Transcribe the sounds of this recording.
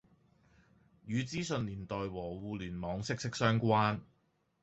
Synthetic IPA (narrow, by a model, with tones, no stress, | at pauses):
jyː˨˧t͡siː˥sɵ˧nliː˨˩nt̪ɔː˨jwɔː˨˩wuː˨˧lyː˨˩nmɔː˨˧ŋsɪ˥k̚sɪ˥k̚sœː˥ŋkʷaː˥n